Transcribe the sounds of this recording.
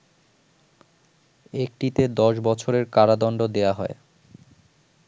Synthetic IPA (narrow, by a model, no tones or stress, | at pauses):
ek̚ʈit̪ed̪ɔʃbɔt͡ɕʰoɾeɾkaɾad̪ɔnɖod̪eaɦɔe